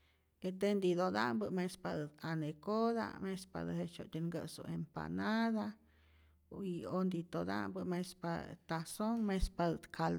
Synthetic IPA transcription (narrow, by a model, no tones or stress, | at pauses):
et̪end̪id̪od̪a̰mbɨmespad̪ɨt̪anekod̪a̰mespa̰d̪ɨhet͡ʃot̪ʲeŋɡə̰sṵempa̰naða | iond̪it̪od̪a̰mbɨmespa̰t̪asoŋmespad̪ɨt̪kʰal